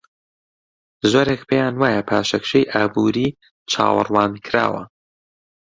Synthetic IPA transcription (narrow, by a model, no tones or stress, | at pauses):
zoɾekpʰejaːnwaːjɐpʰaːʃɐkʃejʔaːbuːɾiː | t͡ʃʰa̰ːwɨ̰rwɑːnkʰɾa̰ːwɐ̰